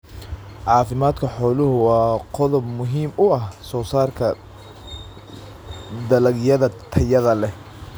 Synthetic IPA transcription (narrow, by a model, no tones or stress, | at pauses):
ʕɑːfɪmaːd̪kʰɐħɔːlʊɦʊwɑːqɔðɔbmʊɦiːmʊɐhsɔːsaːrkʰɐ | d̪ɐlɐɡjɐðɐt̪ʰɐjɐðɐlɛ